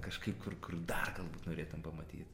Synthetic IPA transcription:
kɐʃkɐɪpkʰʊrkʊrd̪ɐrɡɐlˠbuːt̪noːɾʲeːt̪ʊmpɐmɐt̪ʲḭːt̪

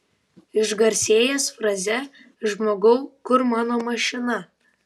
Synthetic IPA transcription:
ɪʒɡɐɾʲsʲeːjɛsfɾɐzʲɛ | ʒmoːɡɐʊkʊɾmɑːnoːmɐʃʲɪnɐ

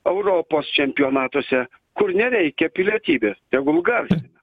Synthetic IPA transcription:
ɛʊɾoːpoːst͡ʃʲɛmʲpʲɪoːnɑːt̪oɔsʲɛ | kʊɾnʲɛɾʲɛɪkʲɛpʲɪlʲiɛt̪ʲiːbʲeːst̪ʲɛɡʊlˠɡɐɾʲsʲɪɐ

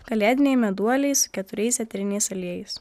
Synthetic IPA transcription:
kɐlʲæːd̪ʲɪnʲɛɪmʲɛd̪uɔlʲɛɪsʊ̥kʲɛt̪ʊɾʲɛɪsʲɛt̪ʲɾʲɪnʲɛɪsɐlʲiɛjɪs

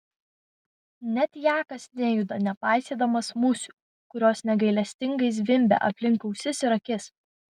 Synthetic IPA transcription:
nʲɛt̪ʲjæːkɐsnʲejʊd̪ɐnʲɛpɑˑɪsʲeːd̪ɐmɐsmʊsʲʊ̥ | kʊɾʲoːsnʲɛɡɐɪlʲɛsʲt̪ʲɪŋɡɐɪs̬ʋʲɪmʲbʲɛ̰ʔɐ̰pʲlʲɪŋˑkɐʊsʲɪsɪɾɐkʲɪs

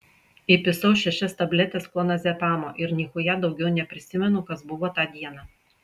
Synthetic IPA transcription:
ɪpʲɪsɐʊʃʲɛʃʲɛst̪ɐbʲlʲɛt̪ʲeːsplˠonɐsʲɛpɑːmoːʔɪɾnʲiːxʊjɛd̪ɒʊɡʲɛʊnʲɛpʲɾʲɪsʲɪmʲɛnʊkɐsbʊʋoːt̪ɑːd̪ʲiɛnɑː

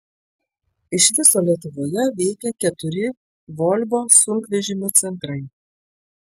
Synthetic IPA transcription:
ɪʃʋʲɪsoːlʲiɛt̪ʊʋoːjɛʋʲɛɪkʲɛkʲɛt̪ʊɾʲɪ | ʋoːlʲboːsʊŋkʋʲɛʒʲɪmʲʊt̪sʲɛnt̪ɾɐɪ

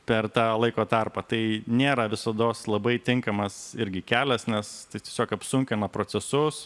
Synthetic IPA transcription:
pʲɛrt̪ɑːlˠɐɪkoːt̪ɐrpɐt̪ɐɪnʲeːɾɐʋʲɪsɐd̪oːslˠɐbɐɪt̪ʲɪŋkɐmɐsɪɾʲɡʲɪkʲæːlʲɛsnʲɛst̪ɐɪt̪ʲiɛsʲoːkɐpsʊŋʲkʲɪnɐpɾoːt͡s̪ʲɛsʊs

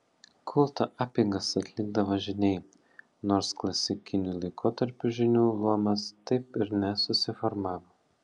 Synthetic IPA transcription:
kʰʊlˠt̪ɐʔɑːpʲɪŋɡɐsɐt̪ʲlʲɪɡd̪ɐʋɐʒʲɪnʲɛɪ | noːɾsklˠɐsʲɪkʲɪnʲulˠɐɪkʰoːt̪ɐɾʲpʲuʒʲɪnʲuːlˠuɔmɐst̪ɐɪpɪɾnʲɛsʊsʲɪfɔɾmɑːʋo

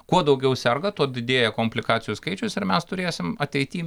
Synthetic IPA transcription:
kuɔd̪ɒʊɡʲɛʊsʲɛrɡɐt̪uɔd̪ʲɪd̪ʲeːjɛkoːmʲpʲlʲɪkɑːtsʲɪjuskɐɪt͡ʃʲʊsɪɾmʲɛst̪ʊɾʲeːsʲɪmɐt̪ʲɛɪt̪ʲiː

